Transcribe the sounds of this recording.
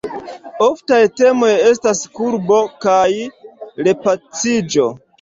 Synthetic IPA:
oftajte̞mo̞je̞s̬taskuɾbo̞kajɾe̞pat͡sid͡ʒo̞

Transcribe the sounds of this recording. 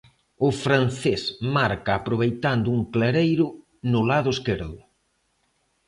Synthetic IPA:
ʊfɾan̟θesmaɾkaːpɾoβ̞ejt̪and̪ʊuŋkleɾejɾʊ | nʊlaðʊeskeɾðʊ

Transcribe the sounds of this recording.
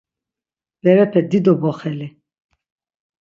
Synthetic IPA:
b̥ɛɾɛpʰɛd̪id̪ɔbɔχɛli

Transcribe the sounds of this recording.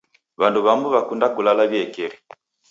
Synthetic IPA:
βanduβambuβakundakulalaβiɛkɛɾi

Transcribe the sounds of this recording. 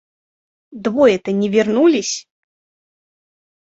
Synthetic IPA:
d̪vɔjɛt̪ənʲɪvʲɪrnulʲɪsʲ

